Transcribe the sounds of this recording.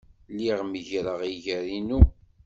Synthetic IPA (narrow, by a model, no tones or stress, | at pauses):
liʁməʝɾəʁiʝəɾinu